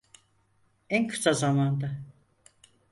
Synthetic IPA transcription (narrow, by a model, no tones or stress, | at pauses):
ænkʰɯ̥sazamand̪a